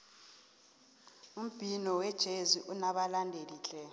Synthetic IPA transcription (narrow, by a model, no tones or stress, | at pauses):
um̩b̥ʱinɔwɛd̥ʒ̥ʱeziʔunaɓalandʱeliːɬɛ